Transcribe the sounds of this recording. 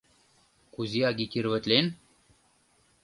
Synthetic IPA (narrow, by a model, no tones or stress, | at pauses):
kuziaɡikiɾvət̪len